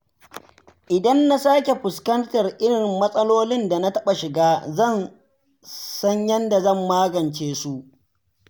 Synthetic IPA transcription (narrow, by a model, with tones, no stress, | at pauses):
ʔɪ˨dɐ˦nːa˦saː˦kʲe˨ɸʊ˨skɐ˦ntɐ˨rʔɪ˦ɽɪ˨mːɐ˦sʼɐ˦loː˦lɪ˦nda˨na˦tɐ˦ɓa˨ʃɪ˨ɡaː˦zɐ˦˨n | sɐ˦ɲjɐ˦nda˨zɐ˦˨mːaː˦ɡɐ˨nt͡ʃeː˦su˦ʔ